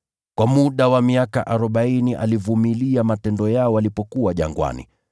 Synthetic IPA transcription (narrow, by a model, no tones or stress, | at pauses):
kwamuɗawamiakaʔaɾɔɓainiʔa̰livumiliamatɛndɔjaɔwalipɔkuwaʄa̰ŋɡwa̰nḭ